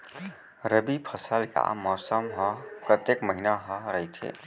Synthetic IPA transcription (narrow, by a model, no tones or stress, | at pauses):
ɾəbipʰəsəlka̰mɔːsəmɦə̃kət̪jekməɦinaɦə̃ɾəɦit̪ʰḛː